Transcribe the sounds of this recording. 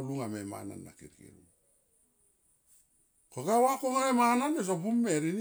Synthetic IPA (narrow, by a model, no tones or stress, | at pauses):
luŋamema̰na̰nːa̰kḭɾkḭɾu | koɡawakoŋamemananes̬opumːeɾin